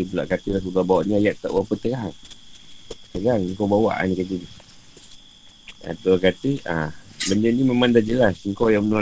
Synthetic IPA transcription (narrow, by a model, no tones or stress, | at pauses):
it̪̬ula̰ʔkat̪ilasuɡabawaʔniajaʔ̚t̪a̰ʔwapət͡ʃəɾaŋ | t͡ʃəɾaŋiŋkobawa̰ʔa̰nikat̪ini | a̰t̪ukat̪iabəndəniməmandad͡ʒəlasiŋkojaŋmənua